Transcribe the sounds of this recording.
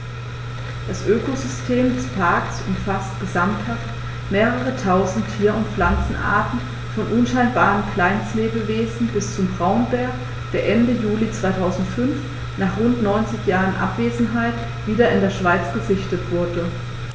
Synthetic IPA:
d̥asʔøːkʰozʏstʰeːmdɛspʰaɐksʔʊmfastɡ̥əzamthaft | meːʁ̞əʁ̞ətʰaʊzn̩tʰːiːɐʊntflant͡sn̩ʔa̰ɐtn̩ | fɔnʔʊnʃaɪnbaːʁənkʰl̥aɪnsleːbəveːzn̩bɪst͡sʊmbʁaʊnbɛɐk | d̥eːɐʔɛndəjuːlit͡sv̥aɪtʰaʊzn̩tfʏnf | naːχʁʊntnɔʏnt͡sɪçjaːʁənʔa̰pv̥eːzn̩ɦaɪt | v̥iːdɐɪndeːɐʃv̥aɪt͡sɡ̥əzɪçtətv̥ʊɐdə

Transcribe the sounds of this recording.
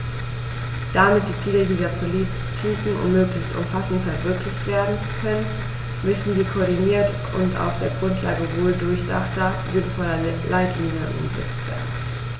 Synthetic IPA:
d̥amɪt̚d̥iːt͡siːlədiːzɐpʰolit | tʰiːkŋ̩ʊ̰ntmøːklɪçstʔʊ̰mfasn̩tfɛɐvɪɐklɪçtv̥eːɐdn̩kʰœnən | mʏsn̩ziːkʰoɐdiniːɐt | ʔʊ̰nta̰ʊfd̥eːɐɡʁʊntʰlaːɡəvoːldʊɐçd̥a̰χtɐziːbəfɔɐdɐlʔaɪtʰliːnjənʔʊ̰mzɛ̰t͡stv̥ɛ̰ɐdn̩

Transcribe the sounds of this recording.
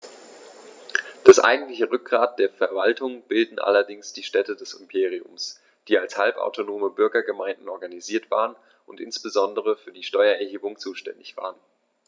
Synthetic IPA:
d̥asʔa̰ɪɡŋ̩tlɪçəʁʏk̚ɡ̥ʁaːt̚d̥eːɐfɛɐvaltʰʊŋb̥ɪldn̩ʔa̰lɐdɪŋsd̥iːʃtɛtədɛsɪmpʰeːʁ̞iʊ̰ms | d̥iːalshalpa̰ʊtʰonoːməbʏɐɡɐɡəmaɪndn̩ʔɔɐɡaniziːɐtv̥a̰ːʁən | ʔʊntʔɪ̰nsb̥əzɔndəʁ̞əfyːɐdiːʃtɔʏɐɛɐɦeːbʊŋt͡suːʃtɛ̰ndɪçv̥a̰ːʁən

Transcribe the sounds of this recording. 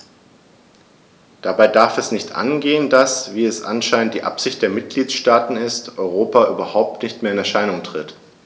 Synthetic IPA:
d̥abaɪdaɐfɛsnɪçtʔa̰nɡeːəndasv̥iːɛsʔa̰nʃaɪnənt̚d̥iːʔa̰pz̥ɪçt̚d̥eːɐmɪt̚ɡ̥liːtʃtaːtn̩ɪstʔɔʏʁ̞oːpaʔyːbɐhaʊp̚tnɪçtmeːɐɪnɛɐʃaɪnʊŋtʁ̥ɪt

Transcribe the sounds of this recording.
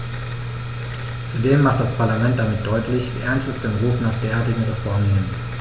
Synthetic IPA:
t͡sudeːmːaχt̚d̥aspʰaɐlamɛnt̚d̥amɪt̚d̥ɔʏtʰlɪçvḭːʔɛɐnstɛsd̥eːnʁuːfnaːχd̥eːɐaɐtɪɡŋ̩ʁɛfɔɐmənɪmt

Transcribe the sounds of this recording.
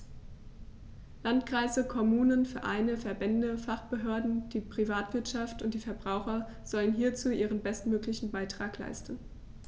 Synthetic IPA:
lantkʁ̥aɪzəkʰɔmuːnənfyɛːɐʔaɪnəfɛɐbɛndəfaχb̥əɦøːɐdn̩d̥iːpʁ̥ivaːtv̥ɪɐtʃaftʊnt̚d̥iːfɛɐbʁaʊxɐ | z̥ɔlənɦiːɐt͡suːʔiːʁ̞ənbɛstmøːklɪçn̩baɪtʁ̥aːkla̰ɪstn̩

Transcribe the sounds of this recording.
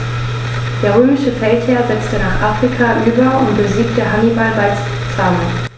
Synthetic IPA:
d̥eːɐʁøːmɪʃəfɛltheːɐzɛt͡stənaːχʔaːfʁ̥ikʰaʔyːbɐʊntb̥əziːktəɦanibalbaɪs | t͡samən

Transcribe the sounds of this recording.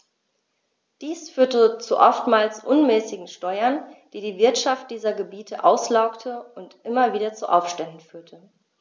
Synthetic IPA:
d̥iːsfyːɐtət͡suʔɔftmaːlsʔʊnmɛːsɪɡŋ̩ʃtɔʏɐnd̥iːdiːvɪɐtʃaft̚d̥iːzɐɡəbiːtʰəʔaʊslaʊktʰəʊntʔɪmɐviːdɐt͡suʔaʊfʃtɛndn̩fyːɐtʰə

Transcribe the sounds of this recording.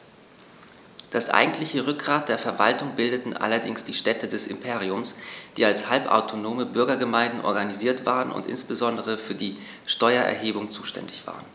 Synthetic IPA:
d̥asʔa̰ɪɡŋ̩tlɪçəʁʏk̚ɡ̥ʁaːt̚d̥eːɐfɛɐva̰ltʊŋbɪldətn̩ʔa̰lɐdɪŋsd̥iːʃtɛtʰədɛsɪ̰mpʰeːʁ̞iʊmsd̥iːalshalpʔa̰ʊtʰonoːməbʏɐɡɐɡəmaɪndn̩ʔɔ̰ɐɡaniziːɐtv̥aːʁənʊ̰ntʔɪ̰nsb̥əzɔndəʁəfyːɐdiː | ʃtɔʏɐʔɛ̰ɐɦeːbʊŋt͡suːʃtɛ̰ndɪçv̥a̰ːʁən

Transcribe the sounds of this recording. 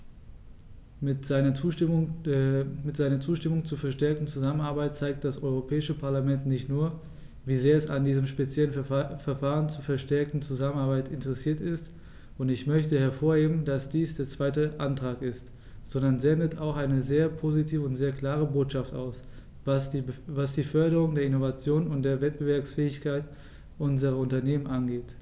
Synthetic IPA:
ɪnɐ | mɪtz̥aɪnɐt͡suːʃtɪmʊŋt͡suːɐfɛɐʃtɛɐk̚tn̩t͡suzamənaɐbaɪt̚t͡saɪk̚t̚d̥asʔɔʏʁ̞opʰɛːɪʃəpʰaɐlamɛntnɪçtnuːɐ | viːzeːɐɛsandiːzəmʃpet͡sjɛlənfɛɐfaːʁənt͡suːɐfɛɐʃtɛɐk̚tn̩t͡suzamənaɐbaɪtɪntəʁɛsiːɐtɪst | ʔʊntɪçmœçtəhɛɐfoːɐheːbm̩n̩dasd̥iːsd̥eːɐt͡sv̥aɪtəʔantʁ̥aːkɪst | z̥ɔndɐnzɛndətaʊxʔaɪnəzeːɐpʰozitʰiːvəʊntz̥eːɐkl̥aːʁ̞əboːtʃaftʔa̰ʊs | vasvasd̥iːfœɐɾəʁ̞ʊŋdeːɐɪnovat͡sjoːnʊnt̚d̥eːɐvɛt̚b̥əvɛɐpsfɛːɪçkʰaɪt | ʔʊnzəʁɐʊntɐneːmənʔanɡeːt

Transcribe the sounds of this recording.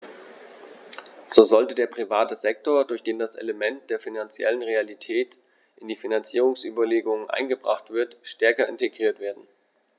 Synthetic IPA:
z̥oːzɔltədeːɐpʁ̥ivaːtəzɛk̚toːɐdʊɐçd̥eːndasʔḛləmɛnt̚d̥eːɐfinant͡sjɛ̰lənʁealitʰɛːt | ʔɪndiːfinant͡siːʁ̞ʊŋsʔy̰ːbɐleːɡʊŋənʔa̰ɪnɡəbʁa̰χtv̥ɪɐtʃtɛɐkɐɪnteɡʁiːɐtv̥eːɐdn̩

